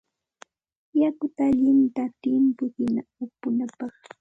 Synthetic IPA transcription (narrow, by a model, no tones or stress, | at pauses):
jakʊt̪aːʎɪnt̪at̪ɪmpʊhɪnaʊpʊnapɑχ